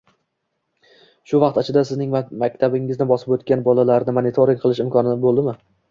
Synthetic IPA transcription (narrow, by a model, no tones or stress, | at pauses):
ʃʊvɑq̚t̪at͡ʃʰɪd̪asɪznɪŋmakʲt̪ʰabɪŋɪznɪbɒsɪpot̪kʲanbɒlalaɾnɪmanɪt̪ʰoɾɪŋqʰɨlˠɪʃɪmkʰɒnɪd̪abolˠd̪ɪmɪ